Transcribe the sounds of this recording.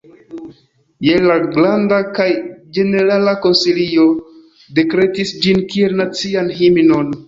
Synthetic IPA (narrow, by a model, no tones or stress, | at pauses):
jelaɡlandakajd͡ʒe̞ne̞ɾalako̞nsilio | de̞kɾe̞tisd͡ʒinkie̞lnat͡sianɦimino̞n